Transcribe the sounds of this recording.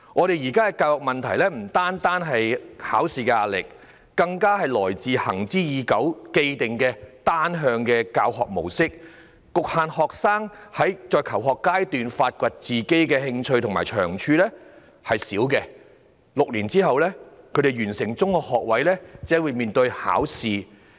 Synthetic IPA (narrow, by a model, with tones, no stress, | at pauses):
ŋɔː˨˧ɾe˨jjiː˨˩kaː˥kɛ˧kaː˧whɔː˨˩k̚mɐ˨nt̪ʰɐ˨˩jlɛː˥m̩˨˩t̪aː˥nt̪aː˥nɦɐ˨jha̰ː˨˥wsiː˨kɛ˧aː˧t̚lɪ˨k̚ː | ɐ˧ŋkaː˥ɦɐ˨jlɔː˨˩jt͡siː˨˧hɐ̰˨˩ŋt͡siː˥jiː˨˧kɐ˨˥wke˧jt̪ɪ˨ŋkɛː˧t̪aː˥nɦœː˧ŋkɛː˧kaː˧whɔ̰ː˨k̚mo̰˨˩wsɪ˥k̚ː | kʊ˨k̚haː˨˧nhɔː˨k̚saː˥ŋhɐ˨˥jt͡ʃɔː˧jkʰɐ˨˩wɦɔː˨kːaː˥jt̪yː˨nfaː˧t̚kʷɐ˨t̚t͡siː˨ke˥jkɛː˧hɪ˧ŋt͡ʃʰɵ˧ɥt̪ʰʊ˨˩ŋmaː˨˩jt͡ʃʰœː˨˩ŋt͡ʃʰyː˧lɛː˥ | hɐ˨jsiː˨˥wkɛ˧ | lʊ˨k̚liː˨˩nt͡siː˥ɦɐ˨wlɛː˥kʰɵ˨˧˥t̪e˨˩jɥyː˨˩nsɪ˨˩ŋt͡sʊ˥ŋhɔː˧k̚hɔː˨k̚wɐ˨˥jlɛː˥t͡sɛː˨˥wuː˨˧jmiː˨nt̪ɵ˧ɥha̰ː˨˥wsiː˨